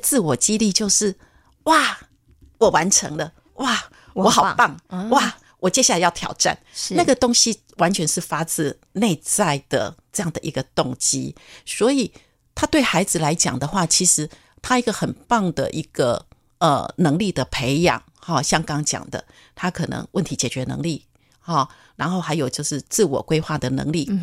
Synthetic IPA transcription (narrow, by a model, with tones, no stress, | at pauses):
t͡sɹ̩˥˩wɔ˨˩t͡ɕi˥li˥˧t͡ɕjo˥˧ʊʂɻ̩˥˩ | wa˥˩ | wɔ˨˩wa˧˦nʈ͡ʂʰɤ˧˦ŋlə˧ | wʔa˥˩˧ | wɔ˧˦xɑ˨˩ʊ˧pɑ˥˨ŋwa˥˩ | wʔɔ˨˩t͡ɕjɛ˥ɕja˥˩la˧ɪjɑ˥˩ʊt̪ʰjɑ̰˨˩ʊʈ͡ʂa̰˥˨nna˥˩ɡə˩t̪o˥ŋɕi˥ | wa˧˦nt͡ɕʰɥɛ˧˥nʂɻ̩˥˩fa˥t͡sɹ̩˥˧ | ne˥˧ɪt͡sa˥˩ɪd̪̥ə̰˩ʈ͡ʂɤ˥˧jɑ˥˩ŋd̪ə˩ʔḭ˧˥ɡə˧t̪ʊ˥˨˩ŋt͡ɕḭ˦swɔ˧˥i˨˩ | t̪ʰa˥t̪we˥˩ɪxa˧˥ɪd͡zɹ̩˨la˧˦ɪt͡ɕjɑ˨˩ŋd̪ə˦xwa˥˩t͡ɕʰi˧˥ʂɻ̩˧˦ | t̪ʰa˥i˧˥ɡə˨xə˨˩npɑ˥˩ŋd̪ə̰˨ʔi˧˥ɡ̥ə̰˨ | ə̰˨˩nɤ˧˥ŋli˥˩d̪ə˩pʰe˧˥ɪjɑ̰˨˩ŋhɔ˥˩ɕjɑ˥˩ŋkɑ˥ŋt͡ɕjɑ̰˨˩ŋd̪ə̰˦ | t̪ʰa˥kʰɤ˨˩nɤ̰˧˥ŋwə˥nt̪ʰi˧˥t͡ɕjɛ˨˩t͡ɕɥɛ˨˧˥nɤ̰˧˥ŋli˥˩ | hɔ˥˩ | ɻa˧˥nxo˥˩xa˧˥ɪjo˨˩ʊt͡ɕjo˥˧ʊʂɻ̩˥˧t͡sɹ̩˥˩wɔ̰˨˩kwe˥ɪxwa˥˩d̪ə˩nɤ̰˧˥ŋli˥˩